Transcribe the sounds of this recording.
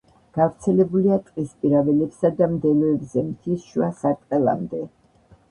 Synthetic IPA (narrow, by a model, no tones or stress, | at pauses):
ɡ̥avɾt̪sʰɛlɛbuliat̪ʼqʼispʼiɾavɛlɛpsad̪amd̪ɛlɔɛbzɛmt̪ʰisʃuasat̪ʼqʼɛlˠa̰md̪ɛ